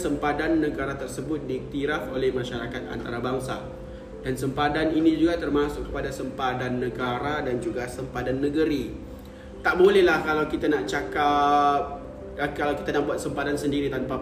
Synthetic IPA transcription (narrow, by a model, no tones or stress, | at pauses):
səmpadanːəɡaɾat̪ərsəbʊt̪̚diːk̚t̪iɾafolɛhmãʃaɾakat̪̚a̰nt̪aɾabaŋsa | dansəmpadaninid͡ʒuɡat̪ərmasʊʔkːəpadasəmpadanːəɡaɾadand͡ʒuɡasəmpadanːəɡəɾi | t̪aʔmolɛhlahkalawkit̪anaʔt͡ʃakap̚ | əkalawki̥t̪anaʔ̚buat̪̚səmpadansəndiɾit̪anpa